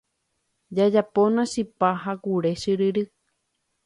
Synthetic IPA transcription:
d͡ʒad͡ʒaponãʃipaɦakuɾe̞ʃɨɾɨɾɨ

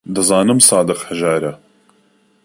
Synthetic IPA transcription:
d̪ɨzɑːnɨmsɑːd̪ɨqhəʒaːɾɐ

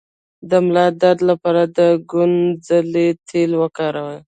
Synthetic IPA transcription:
d̪əmlɑd̪aɾd̪lapɑɾad̪əɡʊnzalet̪ʰelwəkɑɾawəj

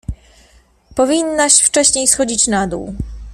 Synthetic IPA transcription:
pɔvʲinːaɕft͡ʂɛɕɲejsxɔd͡ʑit͡ɕnad̪ṵw

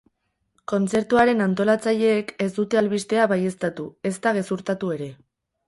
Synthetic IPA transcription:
ko̞nt͡se̞ɾt̪uaɾe̞nant̪o̞lat͡saʎe̞ːke̞zd̪ut̪e̞alβist̪e̞aβaje̞st̪at̪ue̞st̪aɣe̞suɾt̪at̪ue̞ɾe̞

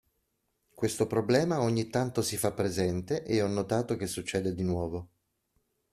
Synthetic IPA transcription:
kwest̪opɾoblɛːmaoɲːit̪ːant̪osifapːɾezɛnt̪eʔeɔnːot̪aːt̪ok̟esːut͡ʃːɛːd̪ed̪inwɔːvo

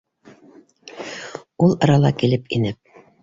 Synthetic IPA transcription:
ulˠɤ̆ɾɑlˠɑkilɘpinɘp̚

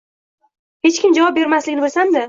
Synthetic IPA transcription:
he̞t͡ʃkʲɪmd͡ʒavɒp̚be̞ɾmaslɪɡʲnɪbolsand̪ɪ

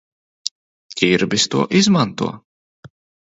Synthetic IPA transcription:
kiɾbist̪uɔʔizmant̪ṵɔ

